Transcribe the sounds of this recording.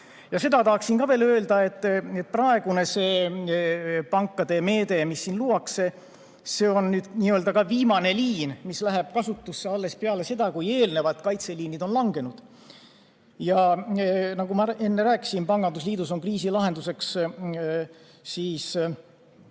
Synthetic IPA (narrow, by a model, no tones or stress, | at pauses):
jɑse̞d̪ɑt̪ɑhɑksinkɑve̞ːlø̞ːld̪ɑe̞t̪ˑːet̪̚ːˑprɑe̞ɡ̥une̞se̞ː | pɑŋkːˑɑd̪̥e̞me̞ːd̪e̞misːiːnluːɑkse̞ | se̞ːo̞nːyːd̪niːøld̪ɑkɑviːmɑne̞liːnmislæɦeb̥̚kɑsut̪ːˑusːeɑlːe̞speɑle̞se̞d̪̥ɑkuje̞ːlne̞vɑt̪kɑjt̪se̞liːnid̪o̞nlɑŋɡe̞nud̪̥ | jɑ | nɑɡumɑe̞nːeɾæːkːˑi̥sinpɑŋɡ̥ɑnd̪us̬liːd̪uso̞ŋkriːsilɑɦe̞nd̪use̞ks | siːs